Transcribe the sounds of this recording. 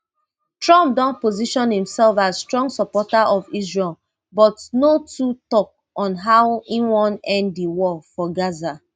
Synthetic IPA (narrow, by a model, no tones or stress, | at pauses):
tɹɔ̃mp̚dɔ̃npoziʃɔ̃nhĩmsɛlfazstɹɔ̃ŋɡsɔpɔtaʔɔvizɹɛl | bɔtnotutɔk̚ | ɔ̃nɦaʊwĩnwɔ̃nɛ̃ndːiwɔfɔɡaza